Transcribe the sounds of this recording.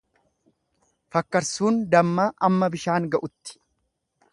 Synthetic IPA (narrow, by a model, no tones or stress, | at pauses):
fɐkːɐɾsuːnd̪ɐmːaːʔɐmːɐbɪʃaːŋɡɐʔʊt̪ːɪ̥